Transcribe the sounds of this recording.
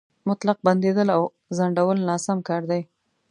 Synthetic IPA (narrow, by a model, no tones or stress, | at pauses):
mʊt̪laq̚band̪ed̪əlaw | zaɳɖawəlnɑsamkɑɾd̪aj